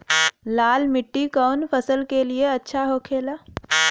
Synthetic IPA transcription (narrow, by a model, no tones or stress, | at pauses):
laːlmɪʈːikaʊnpʰəsəlkelieɐtːʃʰaɦokʰeːla